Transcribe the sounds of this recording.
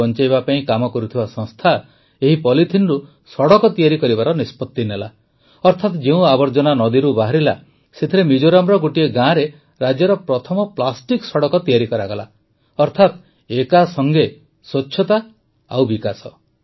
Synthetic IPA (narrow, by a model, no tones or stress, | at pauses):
ɔnt͡ʃajbapaĩkamɔkɔɾut̪ʰibasɔ̃ŋst̪ʰa | eɦipɔlit̪ʰinɾu | sɔɽɔkɔt̪ijaɾikɔɾibaɾɔnispɔt̪ːinela | ɔɾt̪ʰat̪d͡ʒeũabɔɾd͡ʒɔnanɔd̪iɾubaɦaɾila̰ | set̪ʰiɾemid͡ʒoɾamɾɔɡoʈieɡãɾe | ɾad͡ʒjɔɾɔpɾɔt̪ʰɔmɔplasʈiksɔɽɔkɔt̪ijaɾikɔɾaɡɔla | ɔɾt̪ʰat̪ | ekasɔŋɡe | sɔt͡ʃːʰɔt̪a | a̰wbikasɔ